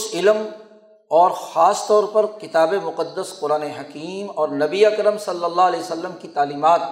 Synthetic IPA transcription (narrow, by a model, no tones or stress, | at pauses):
sɪlm | ɔːɾxaːst̪ɔːɾpɐɾkɪt̪aːbemʊqəd̪ːəsqʊɾaːneɦɐkiːmɔːɾnɐbiɐkɾəmsɐlːəlːalɛːsəlːəmkit̪aːliːmaːt̪̚